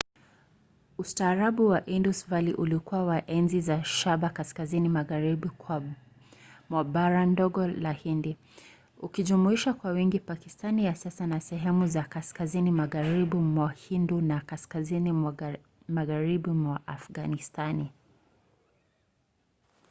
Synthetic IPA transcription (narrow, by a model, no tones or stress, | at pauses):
ustaːɾaɓuwaʔindusvaliʔulikuwawaʔɛnzizaʃaɓakaskazinimaɣaɾibikwa | mwabaɾandɔɡɔlahindi | ukiʄumuiʃakwawiŋɡipakistanijasasanasɛɦɛmuzakaskazinimaɣaɾiɓimwahindunakaskazini | maɣaɾiɓimwaʔafɡanistani